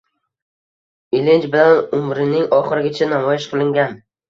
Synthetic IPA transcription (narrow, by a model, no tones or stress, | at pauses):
ɪlɪnt͡ʃbɪlanʊmɾɪnɪŋɒχɨɾɪɡʲat͡ʃʰanamɒjɪʃqʰɨlˠɪŋɡʲan